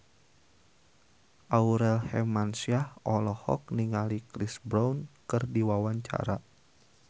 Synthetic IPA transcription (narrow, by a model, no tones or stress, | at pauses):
ʔauɾɛlhɛmansiahɔlɔhɔ̰k̚niŋalikɾisbɾawnkɨrdiwawaɲt͡ʃa̰ɾa